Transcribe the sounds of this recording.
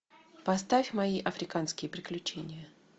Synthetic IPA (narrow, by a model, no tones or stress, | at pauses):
pɐst̪afʲmɐiʔɐfɾʲɪkanskʲɪjəpɾʲɪklʲʉt͡ɕenʲɪjə